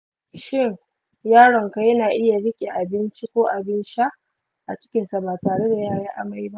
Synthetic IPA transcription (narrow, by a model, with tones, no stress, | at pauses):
ʃɪ˦ŋ | jaː˦ɽɔ˨ŋka˨jɐ˦naː˨ʔɪ˦ja˨ɽɪ˦kʲʼe˨ʔa˨bɪ˦nt͡ʃi˦kʷoː˦ʔa˨bɪ˦nʃa˦ | ʔa˨t͡ʃɪ̥˦kʲɪ˨nsa˨baː˨taː˨ɽe˦da˨jaː˦ɽeː˦ʔa̰˨ma˦jba˦ʔ